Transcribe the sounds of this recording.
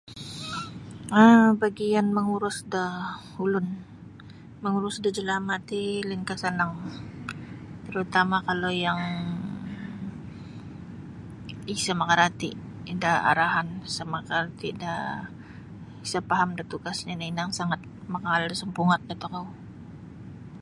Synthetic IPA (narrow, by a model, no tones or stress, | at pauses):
əbaɡianməŋuɾʊsdahulʊn | məŋuɾʊsdəd͡ʒəlamat̪iliŋkasanaŋ | t̪əɾut̪amakalojaŋ | isamakaɾat̪i | daa̰ɾaɦansamakart̪ida | isapaɦamdat̪uɡasɲanainaŋsaŋat̪̚makaaldasəmpuŋat̪̚ɡat̪ukaw